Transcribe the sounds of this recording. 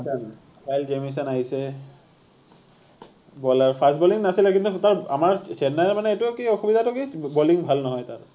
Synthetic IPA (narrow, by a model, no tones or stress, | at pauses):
tan | kajld͡ʒemis̬anaɦisɛ | bɔlaɹpʰastbɔliŋnasilɛkint̪utaɹa̰maɹt͡ʃɛnːɛlmanɛetukiɔxubid̪ʱatʊkibɔliŋbʱalnɔɦɔjtaɹ